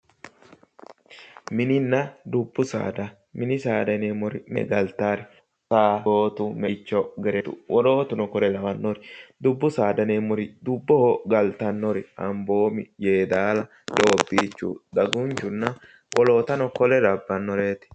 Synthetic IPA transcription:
mɪnɪnːɐd̪ʊbːʊsa̰ːd̪ɐ | mɪnɪsaːd̪ɐneːmɔɾɪmɛ̰ɡɐlt̪aːɾɪ | saːoːt̪ʊmɛt͡ʃːɔɡɛɾɛt̪ʊ̰wɔloːt̪ʊnɔkɔɾɛlɐwɐnːɔɾɪd̪ʊbːʊsaːd̪ɐnemɔɾɪd̪ʊbːɔhoɡɐlt̪ɐnːɔɾɪɐmbo̞ːmɪjeːd̪aːlɐ | ᶑ̪o̞ːbːiːt͡ʃːṵːd̪ɐɡʊnt͡ʃʊnːɐ | wɔlo̞ːt̪ɐnɔkɔlɛd̪ɐbːɐnːɔɾeːt̪ɪ̥

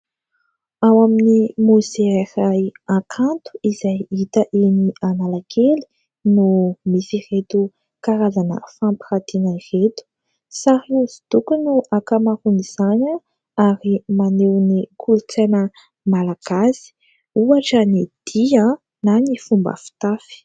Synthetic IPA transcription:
awaminimuzearajãkʰant̪u̥izajit̪əʔinianalakʰeli̥ | numisiret̪u | kaɾazanə̰fãmpi̥rat̪inairet̪u̥ | saɾiuzi̥t̪ukunuʔakamaɾuniz̥aɲa | aɾimanewnikʰulut͡sanə | malaɡ̥asi̥ | uaʈ͡ʂənid̪̥iə | nanifumbə̰fi̥t̪afi̥

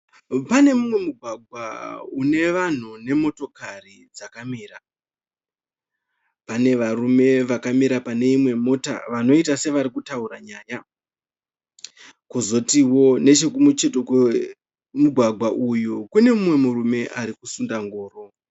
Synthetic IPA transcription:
pane̞mumwe̞muɡʱwaɡʱwa̰une̞ʋan̤une̞mo̞to̞karid͡zakamiːra | pane̞ʋarume̞ʋakamiɾapane̞imwe̞mo̞ta̰ʋano̞itase̞ʋaɾikutauɾaɲaːja | kuzo̞tiwo̞ne̞t͡ʃe̞k̬umut͡ʃe̞tokwe | muɡʱwaɡʱwaʔujukune̞mumwe̞murume̞ʔaɾikusundaŋɡoːro̞

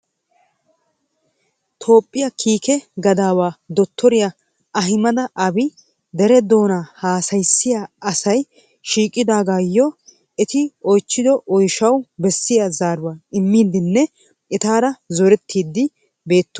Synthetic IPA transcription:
t̪ʰo̞ːpʼːɪjɐkʰiːkɛɡɐd̪aːwaːd̪ɔt̪ʰːɔɾɪja | ʔɐɦɪmɐd̪ɐʔɐbɪ | d̪ɛɾɛd̪o̞ːnaːhaːsɐjsːɪjaɐsɐj | ʃiːkʼːɪd̪aːɡaːjːɔ | ɛt̪ɪɔjt͡ʃːɪd̪ɔʔɔjʃɐwbɛsːɪjazaːɾʊwaɪmːiːd̪ɪnːɛ | ɛt̪aːɾɐzɔɾɛt̪ʰːiːd̪ːɪ | be̞ːt̪ːʊ̥

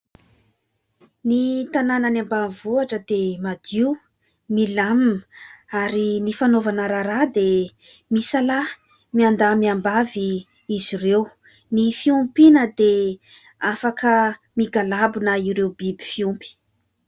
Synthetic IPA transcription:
nit̪anananambanvuaʈ͡ʂəd̪̥emad̪i | milamnaɾinifanovanəɾaɾad̪e | misala | miand̪amiambavi | izirew | nifiumpinəd̪e | afakə | miɡalabunəiɾewbibi̥fiumpi̥

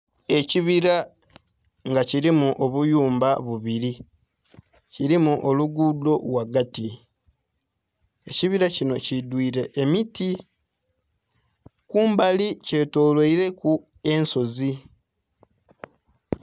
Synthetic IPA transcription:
e̞ciβiɾa | ŋɡaciɾimuʔo̞βujuːmbaβuβiɾi | ciɾimuʔo̞luɡudo̞lwaɡati | eciβiɾacino̞cidwiːɾe̞ʔːmiti | kuːmbalice̞ːto̞ːlweiɾe̞ku | e̞nso̞zi

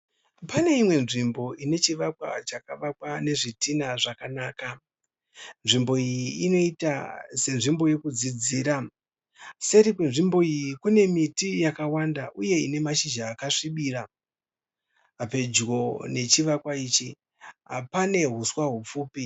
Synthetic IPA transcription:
pane̞imwe̞nʐimbo̞ine̞t͡ʃiʋakwa̰t͡ʃakaʋakwane̞ʐitinaʐakanaːka | nʐimbo̞ijiino̞itase̞nʐimbo̞je̞kud͡zid͡ziːɾa | se̞ɾikwenʐimbo̞ijikune̞mitijakawandaʔuje̞ine̞maʃid͡ʒaːkaʂiɓiɾa | pe̞d͡ʒɡo̞ne̞t͡ʃiʋakwait͡ʃi | ɦapane̞ɦuswaɦup͡fuːpi

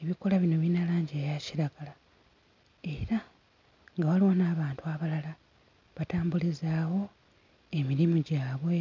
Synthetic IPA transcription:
eβiko̞laβino̞βinalaːɲɟejaciɾaɡala | e̞ɾa | ŋɡawaliwonaːβaːntuaβalala | βataːmbulizaːwo̞ | e̞miɾimuɟaːβwe̞

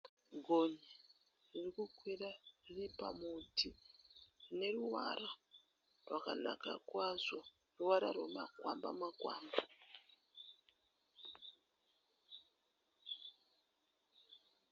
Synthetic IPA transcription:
ɡʱoɲe | ririkukwirariripa̰muti | ne̞ruʋa̰ra | rwaka̰na̰ka̰kwazo | ruʋaɾa̰rwemakwamba̰makwaːmba

